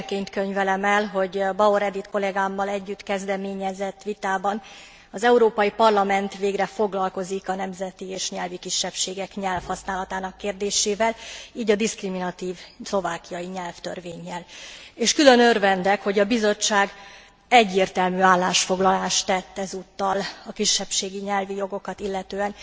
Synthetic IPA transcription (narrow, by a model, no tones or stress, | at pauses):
keːɲt̪kø̞ɲvɛlɛmɛlɦo̞ɟbɒoɾɛd̪it̪ko̞lɛɡaːmːɒlɛɟːyt̪kɛzd̪ɛmeːɲɛzɛt̪ːʋit̪aːbɒn | ɒzɛuɾoːpɒjipɒrlɒmɛnt̪ʋeːɡrɛfo̞ɡlɒlko̞zikɒnɛmzɛt̪ieːʃɲɛlvikiʃːɛpʃeːɡɛkɲɛlfhɒsnaːlɒt̪aːnɒkːeːrd̪eːʃeːvɛliːɟɒd̪iskriminɒt̪iːvslo̞vaːkijɒjiɲɛlft̪ø̰rveːɲːɛleːʃkylø̞nørvɛnd̪ɛkho̞ɟɒbizo̞t͡ʃːaːɡ | ɛɟːeːrt̪ɛlmyaːlːaːʃfo̞ɡlɒlaːʃt̪ɛt̪ːɛzut̪ːɒlɒkiʃːɛpʃeːɡiɲɛlvijo̞ɡo̞kɒt̪ilːɛt̪øːɛn